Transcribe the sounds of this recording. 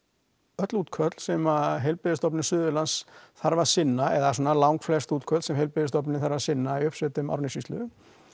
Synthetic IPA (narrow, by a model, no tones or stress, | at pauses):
œt̪luːt̪kʰvœt̪l̥sɛmaɦejlpɪðɪst̪ɔpnɪsʏːðʏlansθaɾvḁsɪnːaɛðas̬unalawŋkflɛst̪uːt̪kʰœt̪lsɛmɦejlpɪðɪst̪ɔpnɪθaɾvaɾ̥sɪnːaiʏpsvɛt̪ʏma̰ɾnɪsist̪lʏ̰